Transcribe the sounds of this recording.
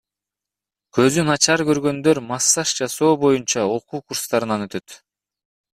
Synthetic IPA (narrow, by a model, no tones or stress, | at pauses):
kʰø̞zynɑt͡ʃɑɾkø̞ɾɡø̞nd̪ø̞ɾmɑsːɑʃd͡ʒɑso̞ːbo̞junt͡ʃɑo̞quːkuɾst̪ɑɾɯnɑnø̞t̪ø̞t̪